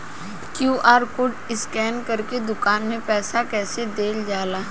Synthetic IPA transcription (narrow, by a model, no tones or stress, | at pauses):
kjuːʔaːɾkʊʈɪskɛːnkɐɾked̪ʊkaːnmẽpɛːsakɛːsed̪eːld͡ʒaːlaː